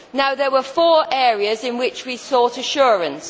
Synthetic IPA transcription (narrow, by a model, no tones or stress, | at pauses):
naʊðəwəfɔːɹʔɛːɹiəzɪ̃nwɪt͡ʃwisɔˑtəʃʊːɹə̃ns